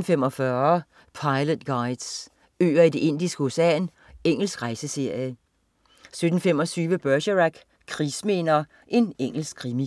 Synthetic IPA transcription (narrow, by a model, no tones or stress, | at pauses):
n̩femɒ̽fɶːɐɐ | pʰɑ̈ɪləd̥ɡ̥ɑ̈ɪd̥s | ø̰ːɐid̥e̝ʔe̝n̰d̥isɡ̥əosæ̰n | eŋ̰l̩sɡ̥ʁɑ̈ɪsəse̝ɐ̰jə | sød̥n̩femɒ̽t͡sʰyːʋəb̥œɐɕəʁaɡ̥ | kʰʁisme̝ːnɐ | ʔe̝neŋ̰l̩sɡ̥ʰʁimi